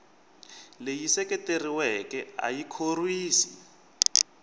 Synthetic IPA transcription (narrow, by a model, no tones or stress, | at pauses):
lejisɛkɛteriwɛkɛa̰jikʰorwiːsi̥